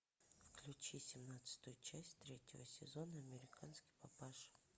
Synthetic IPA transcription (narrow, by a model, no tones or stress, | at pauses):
fklʲʉt͡ɕisʲɪmnat̪sɨ̥t̪ʊjʊt͡ɕæsʲt̪ɾʲetʲɪvə̰sʲɪzo̞nəɐmʲɪɾʲɪkanskʲɪ̥pɐpaʂ